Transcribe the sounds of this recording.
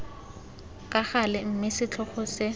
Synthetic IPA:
kʼaχalɪm̩mɪsɪt͡ɬʰɔχɔsɪ

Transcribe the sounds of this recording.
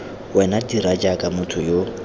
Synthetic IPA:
wɛnadiɾad͡ʒakʼamʊtʰʊjo

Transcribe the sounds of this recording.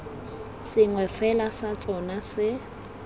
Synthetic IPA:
sɪŋwɛfɛlasat͡sʼɔnasɪ

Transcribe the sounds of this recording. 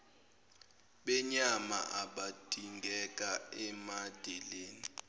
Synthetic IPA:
ɓɛɲama̰ʔaɓad̥ʱiŋɡʱɛk̬ʼaɛmad̥ʱɛleːni

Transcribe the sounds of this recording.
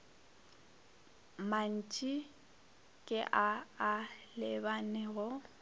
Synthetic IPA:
man̩t͡ʃʼi | kʼɪʔaː | lɪbanɛɣʊ

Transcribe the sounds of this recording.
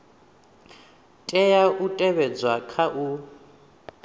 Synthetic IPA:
tʼɛjautʼɛβɛd͡zwakʰaʔu

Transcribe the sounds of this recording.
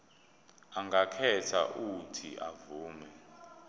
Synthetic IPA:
aŋɡakʰɛtʰa̰ʔutʰḭʔavuːmɛ

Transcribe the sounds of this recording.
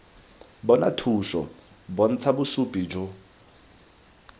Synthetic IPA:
bɔna̰tʰusɔ̰ | bɔn̩t͡sʰabʊsupʼid͡ʒʊ

